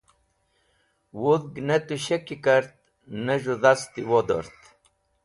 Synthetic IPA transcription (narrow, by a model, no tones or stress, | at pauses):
wuðɡnet̪uɕekikaɾt̪̚ | nəʐuðast̪iwod̪o̰ɾt̪